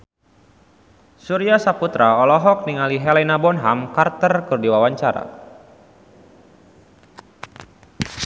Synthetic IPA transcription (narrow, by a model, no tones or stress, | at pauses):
suɾiasaput̪ɾaɔlɔɦɔk̚niŋaliɦɛlɛnabɔnɦamkart̪ərkɨrdiwawaɲt͡ʃaɾa̰